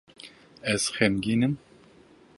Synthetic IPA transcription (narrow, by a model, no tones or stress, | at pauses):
ɛz̥xɛmɡiːnɨm